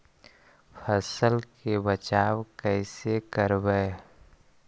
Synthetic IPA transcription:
pʰəsəlkebət͡ʃaːwkɛɪsekəɾbəe

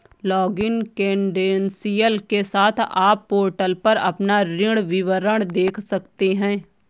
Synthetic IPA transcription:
lɔːɡɪnkɛ̃ːɳɖeːnsijəlkesaːt̪ʰaːpːoːɾʈəlpɐɾɐ̰pnaɾɪɽʋɪʋəɾəɽ̃d̪eːkʰsɐkt̪eɦɛ̃ː

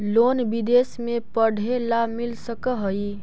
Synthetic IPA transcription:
loːnbɪd̪eːsmẽpəɽ̤ʱelamɪlsəkəɦəi

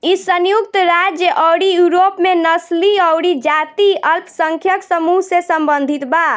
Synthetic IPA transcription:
isənjukt̪ɾad͡ʒjəʔɔwɽijuɾopmenəsliəwɽid͡ʒat̪iəlpsəŋkʰjəksəmuɦsesəmbənd̪ʱit̪ba

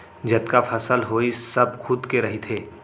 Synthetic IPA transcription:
d͡ʒɐt̪kafʰɐsəlɦoːisɐbkʰʊd̪keɾɐɦit̪ʰeː

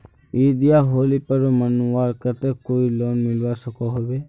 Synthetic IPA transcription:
id̪ijaɦoːlipəɾomənuaɾkət̪ekoːiloːnmɪlʋasəkɔɦobe

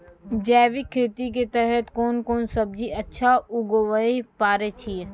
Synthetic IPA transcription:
d͡ʒɛːʋikʰːeːt̪ik̬et̪ɛɦɛt̪koːnkoːnsɐb̚d͡ʒiɐtːʃʰaʊɡoʋəipaːɾet͡ʃʰie

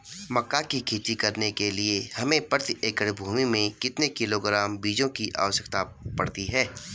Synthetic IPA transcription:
mɐkːakikʰiːt̪ikɐɾnekeliehɐmẽpəɾt̪eːkəɽbʱuːmimẽkɪt̪nekɪloɡɾaːmbiːd͡ʒõkiʔa̰ːʋəʃəkt̪apɐ̰ɽt̪iɦɛː

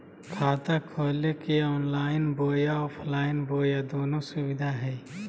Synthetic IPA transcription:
kʰaːt̪akʰoːlekeɔːnlaːɪnboːjaɔːpʰlaːɪnboːjad̪oːnõsʊwɪd̪ʱaɦɛː

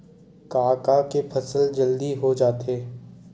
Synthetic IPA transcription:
kaːkakepʰɐsəld͡ʒɐld̪iɦod͡ʒaːt̪eː

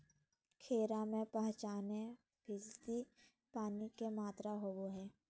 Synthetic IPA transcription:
kʰeːɾamẽpəɦt͡ʃaːne | bʱɪst̪i | paːnikemaːt̪ɾaɦoboɦɛː

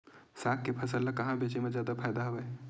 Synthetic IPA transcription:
sak̚kepʰəsəlːəkəɦãbet͡ʃemed͡ʒjad̪apʰajd̪aɦobɛj

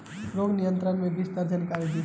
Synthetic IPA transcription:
ɾoɡʱnijənt̪ɾənmẽbist̪əɾd͡ʒənkaɾid̪i

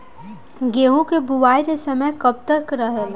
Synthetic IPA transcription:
ɡeːɦũkebuʋaːiɾesɐməjkɐp̚t̪əɾkɾəɦe

